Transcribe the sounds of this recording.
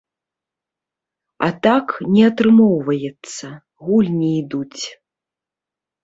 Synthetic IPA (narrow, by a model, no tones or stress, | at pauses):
a̰t̪aknʲɛɐt̪ɾɨmɔwvɐjɛt̪sːɐ | ɣulʲnʲiid̪ut͡sʲ